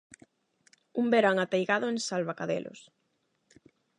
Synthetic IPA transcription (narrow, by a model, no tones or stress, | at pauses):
umbeɾaŋat̪ejɣaðʊeŋsalβakaðḛlʔʊ̰s